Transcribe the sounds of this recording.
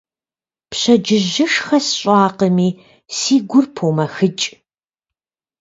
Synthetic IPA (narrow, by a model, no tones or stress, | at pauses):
pɕɐd͡ʒɪʑɪʂxɐsɕʷʼɑːqəmiː | siːɡʷʊrpʰowmɐxɨt͡ʃʼ